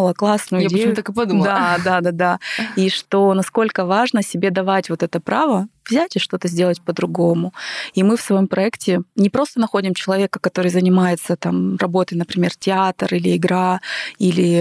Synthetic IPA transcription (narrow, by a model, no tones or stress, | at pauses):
lˠəklˠasnʊjʊjaejmt̪akɨpɐd̪ud̪ˠad̪ad̪ad̪aiʂt̪o̞nɐsko̞lʲkəvaʐnəsʲɪbʲe̞d̪ɐvatʲvot̪ɛt̪əpɾavəvzʲætʲɪʂt̪o̞t̪əzʲdʲe̞lˠətʲpəd̪ɾʊɡo̞mʊimɨfsvɐjo̞mpɾɐɛktʲɪnʲɪpɾo̞st̪ənɐxo̞dʲɪmt͡ɕɪlˠɐvʲe̞kəkɐt̪o̞ɾɨjzənʲɪmajɪt̪sət̪amrɐbo̞t̪əjnəpɾʲɪmʲe̞rtʲɪat̪rilʲɪɪɡɾailʲɪ